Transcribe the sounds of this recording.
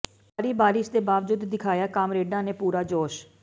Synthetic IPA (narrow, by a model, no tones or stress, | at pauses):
paːɾiːbaːɾɪsd̪eːbaːʋd͡ʒʊd̪ːɪkʰaːjaːkaːmɾeːɖãːneːpuːɾaːd͡ʒoːʃ